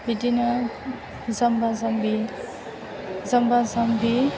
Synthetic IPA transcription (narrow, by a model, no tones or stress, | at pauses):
bidinɯ | zɐmbazambi | zɐmbazambi